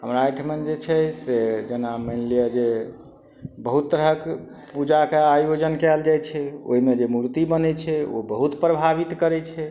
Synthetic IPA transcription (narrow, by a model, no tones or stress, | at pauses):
ɦəmɾaʈʰmənd͡ʒet͡ʃʰɛsed͡ʒenamənlijəd͡ʒe | bəɦut̪ːəɾɦək | pud͡ʒakeajod͡ʒənkɛld͡ʒajt͡ʃʰɛo̰ɦimed͡ʒemuɾt̪ibənɛt͡ʃʰɛo̰bəɦut̪pɾəbʱaβit̪kəɾɛt͡ʃʰɛ